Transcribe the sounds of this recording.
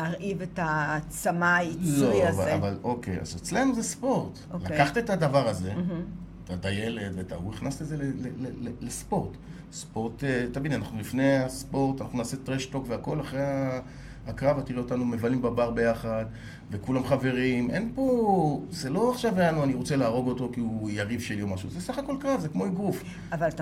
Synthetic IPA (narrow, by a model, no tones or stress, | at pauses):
aʁivetat͡samailojazva̰a̰valo̞kḛja̰zet͡sle̞nuzespo̞ʁt̪ | olakaχt̪et̪adavaʁaze̞ | tat̪ajeletveta̰uiχnast̪ezelelelelelespo̞ʁt̪ | spo̞ʁt̪et̪abidianaχnulifnejaspo̞ʁt̪anaχnunaːsetʁeʃto̞kveako̞laχʁea | akʁavat̪iʁeotanume̞valimbabaʁbe̞jaχad̪ | ve̞kulamχave̞ʁimʔe̞npo̞z̥elo̞aχʃavajanuaniʁo̞t͡se̞laːʁo̞ɡo̞to̞kiujaʁivʃeliomaʃuzesaχako̞lkʁavzekmo̞iɡʁuf | aval